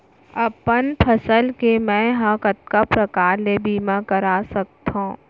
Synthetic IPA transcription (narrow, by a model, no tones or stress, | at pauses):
ɐpənpʰɐsəlkemɛ̃ɦãkət̪̚kapɾɐkaːɾlebʱiːmãkəɾaːsɐk̚t̪ɦõː